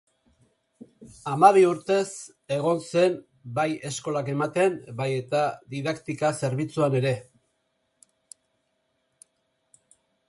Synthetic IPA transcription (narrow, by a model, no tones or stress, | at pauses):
amaβiuɾt̪e̞s | e̞ɣ̞o̞nse̞n | baje̞sko̞lake̞mat̪e̞mbaje̞t̪aðiðakt̪ikase̞ɾβ̞it͡suane̞ɾe̞